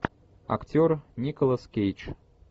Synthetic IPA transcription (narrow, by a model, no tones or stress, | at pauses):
a̰ktʲornʲikolˠəskʲejt͡ʃ